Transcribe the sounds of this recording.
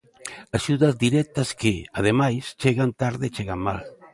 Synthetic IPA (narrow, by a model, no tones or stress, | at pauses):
aʃuðɐzd̪iɾɛk̚t̪ɐskɪað̞emajst͡ʃeɣant̪aɾðɪt͡ʃeɣaŋmal